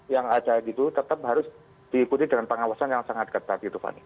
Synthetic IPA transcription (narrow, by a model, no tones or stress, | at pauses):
jaŋadaɡit̪ut̪ət̪ap̚ɦaɾʊs | d̥iːkut̪idəŋanpəŋawasanjaŋsaŋat̪̚ɡət̪at̪̚ɡit̪ufa̰ni